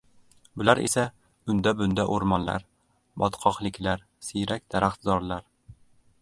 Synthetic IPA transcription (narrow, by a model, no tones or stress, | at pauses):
bɵ̆læɾḭsæ | ɵnd̪æbɵ̆nd̪æʔuɾmɑnlɑ̰ɾ | bɒt̪qʰɒqlikʲlæɾ | sijɾæk̚d̪æɾæχzɒɾlˠɑɾ